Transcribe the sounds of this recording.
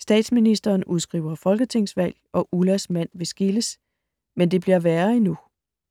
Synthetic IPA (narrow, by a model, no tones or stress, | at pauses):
sd̥ɛ̰ːd̥sminisd̥ɐːnuð̞ˠsɡ̥ʁḭʊ̰ɐfɒ̽lɡ̥ət͡sʰe̝ŋ̰sʋæl̰ | ɒ̽ʔulæsmæn̰ʋe̝sɡ̥iləs | mend̥e̝b̥liɐʋæːɐinu